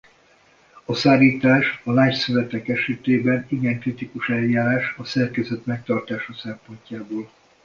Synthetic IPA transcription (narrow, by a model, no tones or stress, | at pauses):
ɒsaːliːt̪aːʃɒlaːcsyvɛt̪ɛkɛʃɛt̪eːbɛniɡɛŋkrit̪ikuʃɛljaːɾaːʃɒsɛrkɛzøt̪mɛk̚t̪ɒrt̪aːʃɒsɛmpo̞ɲcaːboːl